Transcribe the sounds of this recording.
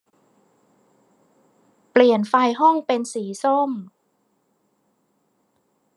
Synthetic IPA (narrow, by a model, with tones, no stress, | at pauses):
pli˨˩ənfa˧jɦɔ˥˩ŋpe˧nsiː˩˦so˥˩m